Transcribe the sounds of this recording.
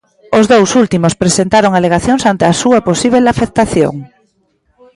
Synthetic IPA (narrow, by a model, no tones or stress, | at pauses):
ozðowsult̪imospɾesent̪aɾoŋaleɣ̞aθjoŋsant̪easuaposiβ̞elafek̚t̪aθjo̰ŋ